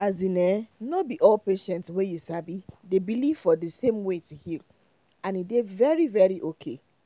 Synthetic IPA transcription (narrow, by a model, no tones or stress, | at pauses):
azinɛnɔbiʔɔlpeʃɛ̃ntswɛ̃jusabidebiliv̥fɔðəsẽmwetuhil | ãnidevɛɹivɛɹiʔokʰḛ